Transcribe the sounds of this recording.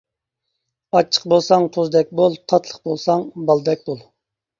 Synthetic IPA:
ɑt͡ʃʰːə̥q̚bolˠsɑŋt̪ʰozd̪ɛk̚ʲbolˠt̪ʰɑt̪ʰlˠəqbolˠsɑŋbɑlˠd̪ɛk̚ʲbolˠ

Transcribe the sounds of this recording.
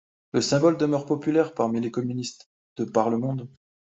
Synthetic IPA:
ləsɛ̃bɔld̪əmœʁpɔpylɛʁpaʁmilekɔmynist̪ | d̪̥əpaʁləmɔ̃d̪

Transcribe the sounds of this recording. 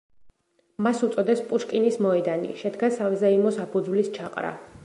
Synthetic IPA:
masut̪sʼɔd̪ɛspʼuʃkʼinismɔɛd̪anḭʃɛd̪ɡasavzaimɔsapʰud̪zvlist͡ʃʰaqʼɾa̰

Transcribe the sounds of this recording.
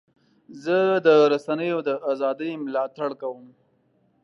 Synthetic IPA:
zəd̪əɾasanəjod̪əʔazɑd̪əjmlɑt̪aɽkawəm

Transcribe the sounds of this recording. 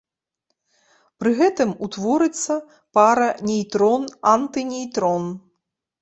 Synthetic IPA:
pɾɨɣɛt̪ɨmut̪vɔɾɨt̪sːɐ | paɾɐnʲɛjt̪ɾɔnant̪ɨnʲejt̪ɾɔn

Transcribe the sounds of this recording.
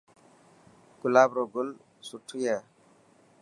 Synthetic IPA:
kulabɾoɡul | sutʰːujɛ

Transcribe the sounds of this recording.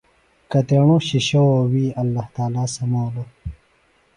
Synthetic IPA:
kɐt̪ɾɐɳoːɕiɕɐwowiːɐlːaht̪aːlaːsɐmoːlo

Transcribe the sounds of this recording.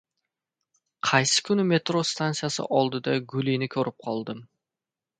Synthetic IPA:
qʰɑjsɪ̥kʲʰʊnɪme̞t̪ɾost̪ʰansɨjasɪ̰ʔɒlˠd̪ɪd̪aɡʊlinɪkʲʰɵɾɪp̚qʰɒlˠd̪ɪm

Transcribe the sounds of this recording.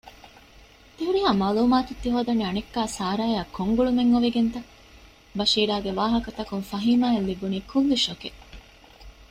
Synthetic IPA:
t̪eɦuɾiɦaːmaːluːmaːt̪ut̪ːiɦoːd̪ɐniɐnekːaːsaːɾaːjaːkʰːoŋɡuɭumeŋːoʋiɡent̪ɐ | bɐʃiːɾaːɡeʋaːɦɐkɐt̪ɐkuŋfɐɦiːmaːelːibuniːkʰulːiʃoke

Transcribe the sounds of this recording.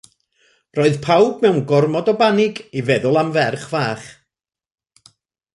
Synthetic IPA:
rɔɨðpʰawb̚mɛwnɡɔrmɔdɔbanɪɡivɛðʊlˠamvɛrχvaːχ

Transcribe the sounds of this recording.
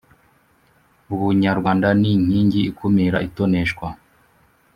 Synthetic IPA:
uβuɲaɾɡwaːndaniɲ̥iːɲɟiikʰumiɾaʔitoneʃkwa

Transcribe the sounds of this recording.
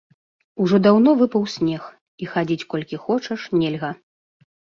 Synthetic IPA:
uʐɔd̪awnɔvɨpɐwsʲnʲɛx | ixad͡zʲit͡sʲkɔlʲkʲixɔt͡ʂɐʂnʲɛlʲɣɐ

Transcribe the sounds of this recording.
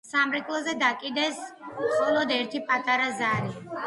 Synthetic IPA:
samɾɛkʼlˠɔzɛd̪akʼid̪ɛsχʼɔlˠɔd̪ɛɾt̪ʰipʼat̪ʼaɾazaɾi

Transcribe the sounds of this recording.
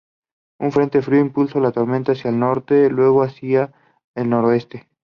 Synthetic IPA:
uɱfɾe̞nt̪e̞fɾioimpulsolat̪o̞ɾment̪asjaelno̞ɾt̪e̞lwe̞ɣ̞oasia | elno̞ɾoe̞st̪e

